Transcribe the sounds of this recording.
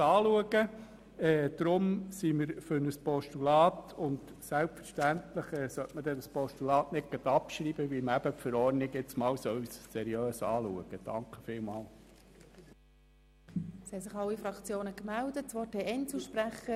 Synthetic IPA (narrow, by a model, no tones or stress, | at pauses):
ɑːluəɡə | ɛːd̪̥ɾʊmsimɪɾfʏɾnəspɔʃtulɑːtʊndsælpfəɾʃtæntləχɛːsœtmədɛnəspɔʃtulɑːtnɪk̚ɡ̥ɑt̪ɑpʃɾiːb̥əʋilmæb̥əpfəɾɔɾnɪɡɪt͡smɑːwsœwssɛɾiøːsɑːlṵəɡ̥əd̥ɑŋkχəfɪːlmɑːl | sɛsɪχɑlːifɾɑkt͡sjoːnəkmældətt͡sʋɔːteɛnt͡suʃpɾæχə